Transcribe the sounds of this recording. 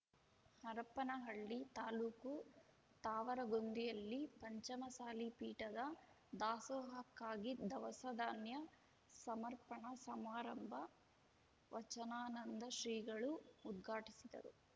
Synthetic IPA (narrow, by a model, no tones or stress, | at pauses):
hɐɾɐpɐnɐɦɐɭːit̪aːluːku | t̪aːʋɐɾɐɡond̪ijɐlːipɐɲt͡ʃɐmɐsaːlipiːʈɐd̪ɐ | d̪aːsɔːɦɐkːaːɡid̪ɐʋɐsɐd̪aːnjɐ | sɐmɐɾpɐɳɐsɐmaːɾɐmbʱɐ | ʋɐt͡ʃɐnaːnɐnd̪ɐʃɾiːɡɐɭuːd̪ɡʱaːʈisid̪ɐ̰ɾu